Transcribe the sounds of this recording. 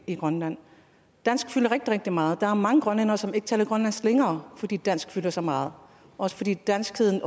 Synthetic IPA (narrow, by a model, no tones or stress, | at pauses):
iɡ̥ʁɶnlæn̰ | d̥æn̰sɡ̥fylɐʁeɡ̥d̥iʁeɡ̥̚d̥imɑ̈ːð̞̩ˠd̥ɑ̈æɐmɑ̈ŋəɡ̥ʁɶnenɐsɒ̽me̝ɡ̥ət͡sʰɛːlɐɡ̥ʁɶnlænsleŋɐːfɒ̽d̥ḭːd̥æn̰sɡ̥fylɐsɒmɑ̈ːð̞̩ˠ | ʔɒ̽sə̥fɒ̽d̥ḭːd̥æn̰sɡ̥hið̰ˠn̩